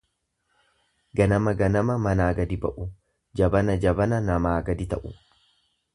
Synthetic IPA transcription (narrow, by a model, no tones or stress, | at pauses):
ɡɐnɐmɐɡɐnɐmɐmɐnaːɡɐd̪ɪbɐ̰ʔʊ | d͡ʒɐbɐnɐd͡ʒɐbɐnɐnɐmaːɡɐd̪ɪt̪ɐ̰ʔʊ̰